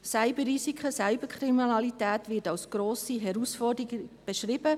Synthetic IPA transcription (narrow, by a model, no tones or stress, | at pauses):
sæɪbəɾisikʰχəsaɪb̥əkχriminɑlitæːtʋɪtɑwsɡ̥ɾoːsiɦɛɾusfɔrdɾiɡb̥ɛʃɾɪb̥ə